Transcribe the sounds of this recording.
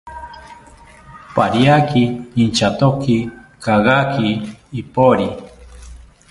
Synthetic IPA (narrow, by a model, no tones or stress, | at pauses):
paɾjakiint͡ʃat̪okikaɣakiːpoɾi